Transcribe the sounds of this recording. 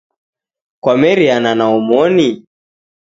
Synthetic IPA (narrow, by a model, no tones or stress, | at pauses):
kwamɛɾiananaumɔni